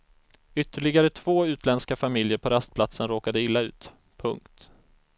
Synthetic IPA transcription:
ʏt̪ːəɭɪɡaɾət̪ʰv̥oːʉ̟ːt̪ʰlɛnskafamɪljəɾpʰɔɾast̪̚pʰlat̪sənɾoːkad̪əɪlːaʉ̟ːt̪ | pʰɵŋkt̪

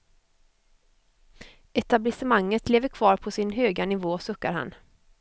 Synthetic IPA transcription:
ɛt̪ablɪsɪmaŋːət̪ʰleːvəɾkʰvɑːɾpʰɔsɪnɦøːɡanɪvoːsɵkːa̰ɾha̰n

